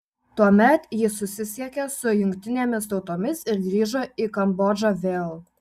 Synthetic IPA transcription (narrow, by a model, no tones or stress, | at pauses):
t̪uɔmʲɛt̪jɪsʊsʲɪsʲiɛkʲɛsʊjʊŋʲkʲt̪ʲɪnʲeːmʲɪst̪ɒʊt̪oːmʲɪsɪɾd̪ʲɾʲiːʒoːikɐmboːd͡ʒoʋʲeːlˠ